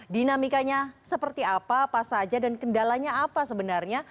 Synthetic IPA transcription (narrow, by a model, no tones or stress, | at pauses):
dinamikaɲasəpərt̪iapapasad͡ʒadankəndalaɲaːpasəbənarɲa